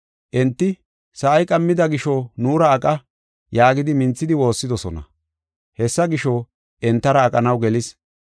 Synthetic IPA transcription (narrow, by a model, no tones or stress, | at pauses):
ʔɛnt̪ːɪ | sɐʔɐjkʼɐmːɪd̪ɐɡɪʃɔnuːɾɐːkʼɐ | jaːɡɪd̪ɪmɪnt͡sːɪd̪ɪwo̞ːsːɪd̪ɔsɔnɐ̰ | hɛsːɐɡɪʃɔ | ʔɛnt̪ːɐɾɐːkʼːɐnɐwɡɛlɪs